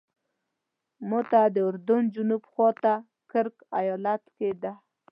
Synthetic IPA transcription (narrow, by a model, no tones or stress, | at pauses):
mot̪ad̪əʊɾd̪ʊnd͡ʒʊnubxwɑt̪a | kəɾkajɔlat̪ked̪a